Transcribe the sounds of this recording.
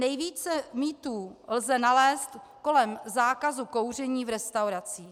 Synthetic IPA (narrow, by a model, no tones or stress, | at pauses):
nɛjviːt͡sɛmiːt̪uːlzɛnalɛːst̪ko̞lɛmzaːkazuko̞wr̝ɛɲiːvɾɛst̪awɾat͡siː